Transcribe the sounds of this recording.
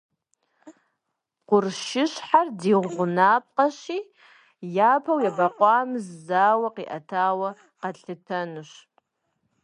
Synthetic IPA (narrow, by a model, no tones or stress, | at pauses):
qʷʊrʃɪʃħardiʁʷʁʷʊnap̚ʰʼqʼaʃi | japʰawjabaqʷʼamzːaːwaqiʔa̰tʰaːwa | qaɬɨtʰɐnɨʃ